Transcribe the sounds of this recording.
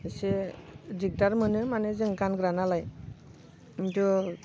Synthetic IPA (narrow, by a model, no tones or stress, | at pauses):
sediɡ̚daɾmənɯmaned͡zəŋkanɡɾanalaj | intu